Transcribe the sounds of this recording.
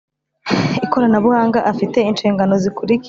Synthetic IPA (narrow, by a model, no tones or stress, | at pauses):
iko̞ɾanaβuhaːŋɡaʔafite̞int͡ʃiːŋɡanozikuɾik